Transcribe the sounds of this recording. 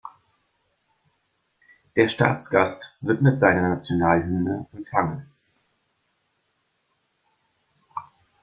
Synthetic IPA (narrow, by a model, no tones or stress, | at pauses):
d̥eːɐʃta̰ːt͡sɡ̥astvɪɐtmɪtz̥aɪnɐnat͡sjonaːlɦʏndəʔɛmfaŋən